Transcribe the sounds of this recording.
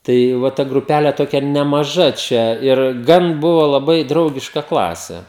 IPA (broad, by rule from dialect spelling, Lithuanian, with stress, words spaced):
tɐɪ ˈʋɐ tɐ ɡrʊˈpʲælʲɛ ˈtoːkʲɛ nʲɛmɐˈʒɐ ˈt͡ʃʲɛ ɪr ˈɡɐn ˈbʊʋɐ lˠɐˈbɐɪ ˈdrɐʊɡʲɪʃkɐ ˈklˠɑːsʲɛ